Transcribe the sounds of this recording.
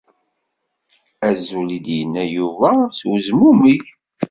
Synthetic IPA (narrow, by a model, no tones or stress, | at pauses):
æzːulid̪jənːæjuvæswəzmumiç